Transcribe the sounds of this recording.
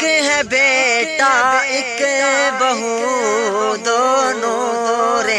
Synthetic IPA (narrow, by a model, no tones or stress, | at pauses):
kɦɛ̃beʈaɪkbɐɦu | d̪oːno | ɾe